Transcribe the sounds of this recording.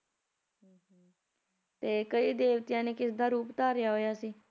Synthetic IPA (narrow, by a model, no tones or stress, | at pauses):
t̪eːkəiːd̪eːʋt̪ɪjãːneːkɪsd̪aːɾuːpt̪aːɾɪjaːɦoːjaːsiː